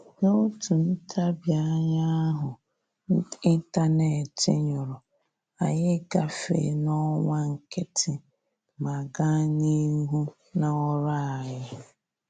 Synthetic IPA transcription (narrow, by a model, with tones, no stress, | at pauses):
no˦tu˨n̩˦tʰa˦bja˦ɲa˦ɦʊ˨˦ | i˦n˦ta˦ne˨tɪ˦ɲʊ˨ɾʊ˨ | a˨ɲɪ˦ɡa˨fḛ˨nɔ˦ŋʷa˦ŋ̩˨kɪ˦tʰɪ˨ | ma˨ɡa˦ɲi˦ɦu˦ | na˨ɔ˦ɾa˦˨a˨jɪ˦